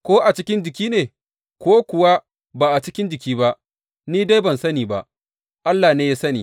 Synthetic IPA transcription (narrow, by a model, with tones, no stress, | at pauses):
kʷoː˦ʔa˨t͡ʃɪ˦kʲɪ˦nd͡ʒɪ˨k̬ʲiː˦neː˨ | kʷoː˦kʷʊ˨wa˦ | baː˨ʔa˨t͡ʃɪ˦kʲɪ˦nd͡ʒɪ˨kʲiː˦ba˦ʔ | niː˦da˦jbɐ˨nsɐ˦niː˨ba˨ʔ | ʔa˦lːaː˨neː˦ja˦sɐ˦niː˨